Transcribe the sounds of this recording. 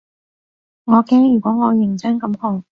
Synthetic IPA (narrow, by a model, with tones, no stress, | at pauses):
ŋɔː˨˧kɛː˥ŋjyː˨˩kʷɔː˨˥ŋɔː˨˧jɪ˨˩ŋt͡sɛː˥ŋkɐ˨˧˥mkʰɔː˨˧˩ŋ